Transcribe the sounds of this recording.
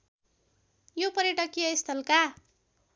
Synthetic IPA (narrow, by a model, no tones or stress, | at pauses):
jopʌɾjeʈʌkijʌest̪ʰʌlka